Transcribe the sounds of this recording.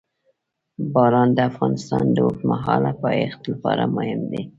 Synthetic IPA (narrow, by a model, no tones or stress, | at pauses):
bɑɾɑnd̪əafɣɑnɪst̪ɑnd̪əwʊkmaɦɑlapɑext̪lapɑɾamʊhɪmd̪i